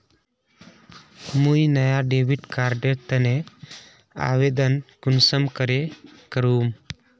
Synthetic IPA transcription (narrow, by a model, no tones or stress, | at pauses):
mujnəjaɖeʋiʈkaɾɖeʈt̪ːəne | a̰ʋed̪ənkunsəmkəɾekəɾuːm